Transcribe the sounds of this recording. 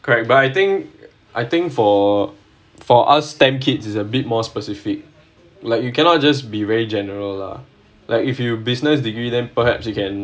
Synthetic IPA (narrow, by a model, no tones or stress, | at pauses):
kʰɔɹɛk̚batajt̪ɪ̃ŋk | ʔa̰jt̪ɪ̃ŋkfɔ | fɔʔa̰stɛ̃mkʰitsisəbit̚mɔspəsifik̚ | laɪk̚jukʰɛnɔt̚d͡ʒas̬bivɛɹid͡ʒɛnəɹəlːa̰ | lʔa̰ɪkifjubisnəs̬diɡɹidɛ̃npəhɛ̰psjukɛ̃n